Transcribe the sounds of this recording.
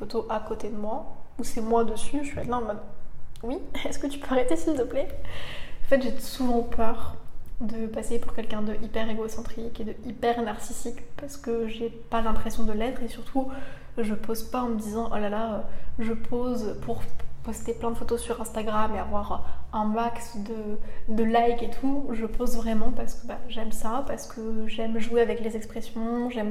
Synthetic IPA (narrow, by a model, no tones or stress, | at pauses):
fot̪oʔakot̪ed̪əmwausɛmwad̪əsyʃɥia̰lɛ̃mɔd̪wiɛskət̪y̥pøaʁet̪esilt̪əplɛ | ɑ̃fɛt̪ʒesuvɑ̃pʰœʁd̪əpasepuʁkʲɛlkʲɛ̃d̪əʔipɛʁeɡosɑ̃t̪χiked̪əipɛʁnaʁsisikpaʁsə̥kəʒe | palɛ̃pχesjɔ̃d̪əlɛt̪χesyʁt̪ʰu | ʒəpozpaɑ̃məd̪izɑ̃ʔo̰lalaøʒəpʰozpʰuʁpɔst̪eplɛ̃d̪əfot̪osyʁɛ̃st̪aɡʁameavwaʁɛ̃maksd̪əd̪əlajket̪ʰuʒəpʰozvʁɛmɑ̃paʁsə̥kəbaʒɛmsapaʁsə̥kʰəʒɛmʒueavɛklezɛkspχesjɔ̃ʒɛm